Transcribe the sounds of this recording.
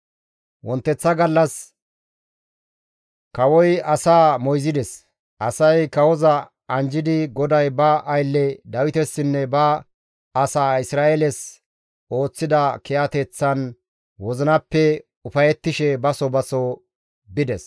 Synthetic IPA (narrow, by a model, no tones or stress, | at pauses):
wɔnt̪ːɛt͡sːɐɡɐlːɐs | kɐwɔjɐsaːmɔjzɪd̪ɛs | ʔɐsɐjkɐwɔzɐ | ɐnd͡ʒɪd̪ɪɡɔd̪ɐjbɐʔɐjlːɛd̪ɐwɪt̪ɛsːɪnːɛbɐ | ɐsaːɪsɾaːʔelɛs | o̞ːt͡sːɪd̪ɐkɛʔɐt̪ɛt͡sːɐn | wɔzɪnɐpːɛ | ʊfɐjɛt̪ːɪʃɛbɐsɔbɐsɔ | bɪd̪ɛs